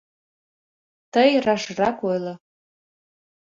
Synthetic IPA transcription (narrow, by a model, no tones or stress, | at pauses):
t̪əjrɑʃrɑkojlˠɤ̆